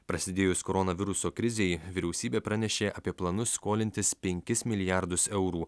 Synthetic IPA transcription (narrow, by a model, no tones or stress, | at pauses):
pɾɐsʲɪd̪ʲeːjʊskoːɾɔnɐʋʲɪɾʊsoːkɾʲɪzʲeːjʋʲɪɾʲɛʊsʲiːbʲeːpɾɑnʲɛʃʲeːʔɐpʲiɛplˠɐnʊsːkoːlʲɪnʲt̪ʲɪspʲɛŋʲkʲɪsmʲɪlʲɪjæɾd̪ʊsɛʊɾuː